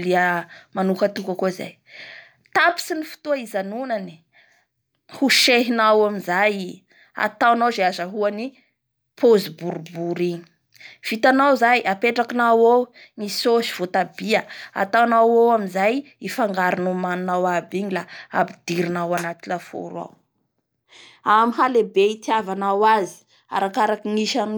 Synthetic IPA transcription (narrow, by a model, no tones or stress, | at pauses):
liəmanukət̪ukakoza̰j | t̪api̥sinifu̥t̪uaizanunani̥ | huʃeɦinawaminzaji | a̰t̪awanazeazaɦuani | pʰozibuɾubuɾiɲi̥ | v̥it̪anawzajʔapeʈ͡ʂakinawoŋisoʃi̥v̥ot̪abiaa̰t̪awnawowaminzaj | ifaŋɡaɾinumanunawabiɲilaabid̪̥iɾinawanat̪ilafo̰ɾwa̰w | amihalebeit̪iavanawazi̥ | a̰ɾakaɾakiŋiʃam